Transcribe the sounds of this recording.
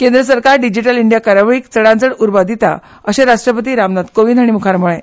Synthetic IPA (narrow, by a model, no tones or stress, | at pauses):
kẽnd̪ɾəsəɾkaɾɖid͡ʑiʈəliɳɖjakəɾaʋɭiːkt͡səɽãnt͡səɽuɾbad̪it̪a̰ | əɕeɾaʂʈɾəpət̪̬iːɾamnat̪koʋinaɽ̃imukʰaɾmuɭe